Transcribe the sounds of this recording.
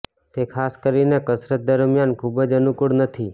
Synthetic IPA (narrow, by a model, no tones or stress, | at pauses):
t̪ekʰaskəɾinekəsɾət̪̚d̪əɾmjankʰubəd͡ʒənukuɽnət̪ʰi